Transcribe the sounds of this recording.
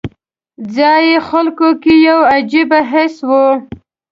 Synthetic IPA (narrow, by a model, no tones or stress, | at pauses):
zɑjexalkokejawad͡ʒibaɦɪswu